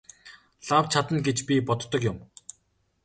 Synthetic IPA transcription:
ɮawt͡ɕʰat̪ə̆nɡet͡ɕpʲipɔt̪ːɞ̆kjʊm

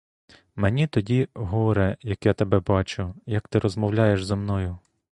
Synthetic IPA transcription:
menʲit̪ɔdʲiɦɔɔɾɛjɐkjat̪ebɛbɑt͡ʃʊjɐkt̪ɪɾɔzmɔwlʲajeʃzɐmnɔjʊ

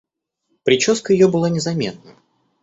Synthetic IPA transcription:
pɾʲɪt͡ɕoskəjɪjobɨlˠanʲɪzɐmʲe̞t̪̚nə

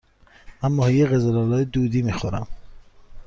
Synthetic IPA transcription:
mænmɒːhijeɣezelɑlɒːjed̪uːd̪iːmixoɾæm

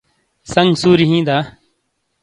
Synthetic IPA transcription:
səŋɡsuːɾiɦĩːd̪aː

